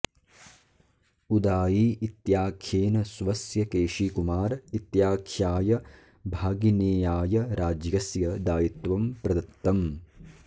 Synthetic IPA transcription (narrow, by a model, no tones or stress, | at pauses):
ud̪aːjiit̪jaːkʰjeːnɐsʋɐsjɐkeːʂikumaːɾit̪jaːkʰjaːjɐ | bʱaːɡineːjaːjɐɾaːd͡ʒjɐsjɐd̪aːjit̪ʋɐmpɾɐd̪ɐt̪ːɐm